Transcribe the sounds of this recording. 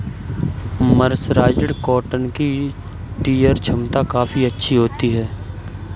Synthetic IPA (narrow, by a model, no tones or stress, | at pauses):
məɾsɾaːd͡ʒəɽkɔːʈənki | ʈiːjəɾt͡ʃʰɐmt̪akaːfiɐtːʃʰiɦoːt̪iɦɛː